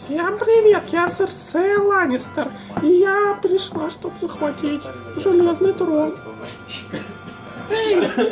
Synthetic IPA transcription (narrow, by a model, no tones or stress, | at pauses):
fsʲe̞mpɾʲɪvʲe̞t̪jasɨrsɛlˠanʲɪst̪ər | ijapɾʲɪʂlˠaʂt̪o̞bzəxvɐtʲitʲ | ʐɨlʲe̞znɨjt̪ɾon